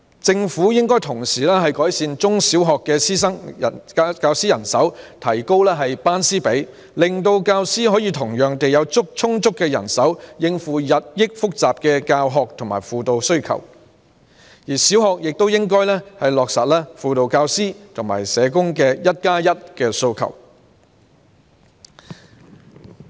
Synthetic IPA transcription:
t͡sɪ˧ŋfuː˨˥jɪ˥ŋkɔː˥jt̪ʰʊ˨˩ŋsiː˨˩lɛː˥hɐ˨jkɔː˨˥jsiː˧nt͡sʊ˥ŋsi˨˥wɦɔː˨kːɛː˧siː˥sɐ˥ŋɐ˨˧kaː˧wsiː˥jɐ˨˩nsɐ˨˥wt̪ʰɐ˨˩jko˥wlɛː˥ɦɐ˨jpaː˥nsiː˥pe˨˥j | lɪ˨ŋt̪o˧wkaː˧wsiː˥ɦɔː˨˥jiː˨˧t̪ʰʊ˨˩ŋjœː˨ŋt̪e˨jɐ˨˧wt͡sʊ˥k̚t͡sʰʊ˥ŋt͡sʊ˥kːɛː˧jɐ̰˨˩nsɐ˨˥wjɪ˧ŋfuː˨jɐ˨t̚jɪ˥k̚fʊ˥k̚t͡saː˨p̚kɛ˧kaː˧wɦɔː˨k̚t̪ʰʊ˨˩maː˨˩jfuː˨t̪o˧wsɵ˥ɥkʰɐ̰˨˩w | jiː˨˩siː˨˥wɦɔː˨k̚jɪ˨k̚t̪o˥wjɪ˥ŋkɔː˥jlɛː˥hɐ˨jlɔː˨k̚sɐ˨t̚lɛː˥fuː˨t̪o˨˧wkaː˧wsiː˥t̪ʰʊ˨˩ŋma̰ː˨˩jsɛː˨˧kʊ˥ŋkɛː˧jɐ˥t̚kaː˥jɐ˥t̚kɛː˧so˧wkʰɐ̰˨˩w

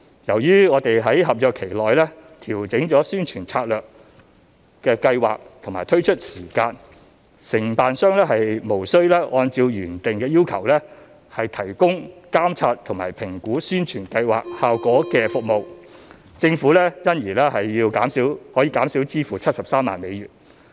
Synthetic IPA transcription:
jɐ˨˩wjyː˥ŋɔː˨˧t̪e˨jɦɐ˨˥jɦɐ˨p̚jœː˨kʰe˨˩jlɔː˨jlɛ˥t̪ʰiː˨˩wt͡sɪ˨˥ŋt͡ʃɔː˨˥syː˥nt͡ʃʰyː˨˩nt͡sʰaː˧t̚lœː˨k̚ | kɛː˧kɐ˧jwa̰ː˨k̚t̪ʰmaː˨˩jt̪ʰɵ˥ɥt͡ʃʰɵ˥t̚siː˨˩kaː˧n | sɪ˨˩ŋpaː˨nsœː˥ŋlɛː˥ɦɐ˨jmo˨˩wsɵ˥ɥlɛː˥ʔɔː˧nt͡siː˧wjyː˨˩nt̪ɪ˨ŋkɛː˧jiː˥wkʰɐ˨˩wlɛː˥ | hɐ˨jt̪ʰɐ˨˩jkʊ˥ŋkaː˥mt͡sʰaː˧t̚t̪ʰʊ˨˩ŋma̰ː˨˩jpʰɪ˨˩ŋkuː˨˥syː˥nt͡ʃʰyː˨˩nkɐ˧jwa̰ː˨k̚haː˨wkɔː˨˥kɛː˧fʊ˨k̚mo˨w | t͡sɪ˧ŋfuː˨˥lɛː˥jɐ˥njiː˨˩lɛː˥hɐ˨jːiː˧wkaː˨˥msiː˨˥whɔː˨˥jiː˧kaː˨˥msiː˨˥wt͡siː˥fuː˨t͡sʰɐ˥t̚sɐ˨p̚saː˥mːa̰ː˨nme˨˧jɥyː˨˩n

